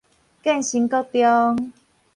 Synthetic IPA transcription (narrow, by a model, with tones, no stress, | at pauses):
kɛ˥˧˨nɕi˨˦ŋkɔ˦˧t̪jɔ˦ŋ